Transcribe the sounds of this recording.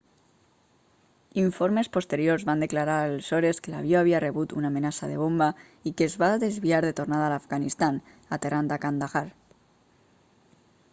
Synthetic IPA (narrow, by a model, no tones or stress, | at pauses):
iɱfoɾmespost̪eɾjoɾzβand̪eklaɾaɾalsoɾeskela̰βioaβiareβut̪unaːmenasaðeβ̞omba | ikezβaðezβiaɾðet̪ornaðalafɣanist̪an | at̪erand̪akand̪aɣaɾ